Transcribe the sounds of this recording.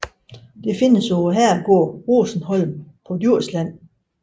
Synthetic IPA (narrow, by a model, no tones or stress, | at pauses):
d̥e̝fe̝nəsɒʊɐɦæɐ̰æɡ̥ɔ̰ɐ̰ʁoːsn̩hɒ̽lmpʰɒ̽d̥jyɐ̰slæn̰